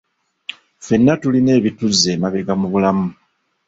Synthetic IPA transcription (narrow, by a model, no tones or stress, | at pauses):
fe̞nːatuline̞ːβituzːe̞ːmaβe̞ɡamuβulamu